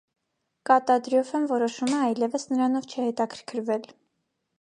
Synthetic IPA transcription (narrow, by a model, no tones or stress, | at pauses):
kɑt̪ɑd̪ɾjɔfənvɔɾɔʃuməɑjlɛvəsnəɾɑnɔvt͡ʃʰɛhɛt̪ɑkʰəɾkʰəɾvɛl